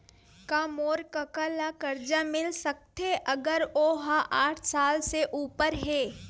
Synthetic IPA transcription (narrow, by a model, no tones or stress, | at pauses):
kaːmoːɾkɐkalakɐɾd͡ʒamɪlsɐk̚t̪eʔɐɡəɾoːɦaʔaːʈʰsaːlseʔuːpəɾɦɛː